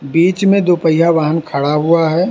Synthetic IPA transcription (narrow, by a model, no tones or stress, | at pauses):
biːt͡ʃmẽd̪oːpəjɦaʋaːɦənkʰɐɽaɦuaɦɛː